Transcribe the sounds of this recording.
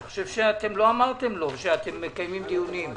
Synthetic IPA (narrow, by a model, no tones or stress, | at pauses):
xoʃe̞vʃeat̪e̞mlo̞amaʁt̪e̞mlo̞ʃeat̪emːekajmimt̪ijunim